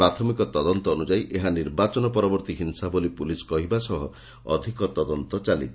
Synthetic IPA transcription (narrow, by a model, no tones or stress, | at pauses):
ɾat̪ʰɔmikɔt̪ɔd̪ɔnt̪ɔːnud͡ʒajʔeɦaniɾbat͡ʃɔnɔpɔɾɔbɔɾt̪iɦinsabolipuliskɔɦibasɔɦɔ | ɔ̰d̪ʱikɔt̪ɔd̪ɔnt̪ɔt͡ʃalḭt̪ʰ